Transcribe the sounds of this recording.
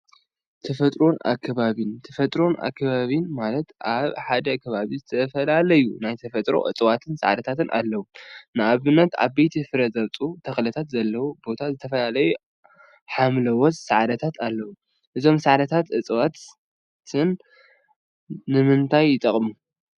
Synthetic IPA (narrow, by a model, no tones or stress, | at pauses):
t̪ʰɐfɐt̪ʼɾo̞na̰kʰːɐβaβint̪ʰɐfɐt̪ʼɾonʔa̰kʰːɐβaβinmalɐt̪ʔaβħad̪ɐkʰɐβaβizɨt̪ʰɐfɐlalɐjunajt̪ʰɐfɐt̪ʼɾo̞̰ʔɨ̰t͡sʼwat̪ʰɨnsa̰ʕd̪ɐt̪ʰat̪ɨnʔa̰lːɐwunɨʔaβɨnːɐt̪a̰βbejt̪ʰifɨɾɐzɐβt͡sʼut̪ʰɐxlɐt̪ʰat̪zɐlːɐwubo̞t̪ʰazɨt̪ʰɐfɐlalɐju | ħamlɐwɔt͡sʼsaʕd̪ɐt̪ʰat̪ʰalːɐwu | ʔɨzo̞msaʕd̪ɐt̪ʰat̪ʔɨt͡sʼwat̪ʰ | ɨn | ɨmɨnt̪ʰajːɪt̪ʼɐχʼmu